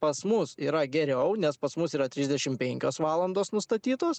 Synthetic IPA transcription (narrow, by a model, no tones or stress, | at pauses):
pɐsmʊsiːɾɐɡʲɛɾʲɛʊnʲɛspɐsmʊsiːɾɐt̪ʲɾʲɪzʲd̪ʲɛʃʲɪmpʲɛŋʲkʲoːsʋɑːlˠɐnd̪oːsnʊst̪ɐt̪ʲiːt̪oːs